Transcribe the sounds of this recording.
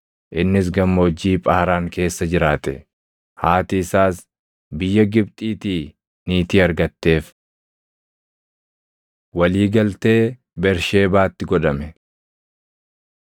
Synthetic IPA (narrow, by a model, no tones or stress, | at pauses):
ʔɪnːɪs̬ɡɐmːoːd͡ʒːiːpʼɐhɐɾaːŋke̞ːsːɐd͡ʒɪɾaːt̪ɛ̰ | haːt̪ɪsaːs | bɪjːɐɡɪbt̪ʼiːt̪iː | niːt̪iːɐɾɡɐt̪ːe̞ːf | wɐliːɡɐlt̪e̞ː | bɛɾʃe̞ːbaːt̪ːɪɡɔᶑɐmɛ